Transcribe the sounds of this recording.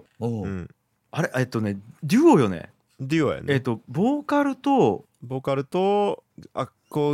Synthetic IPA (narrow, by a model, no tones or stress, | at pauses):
oːɯ̟̃ | aɾeʔet̪ːo̞ned̪ʲɯːojo̞nḛ | d̪ʲɯo̰jo̰net̪ːo̞bo̞ːkaɾɯ̟t̪o | boːkaɾɯ̟t̪oa̰ko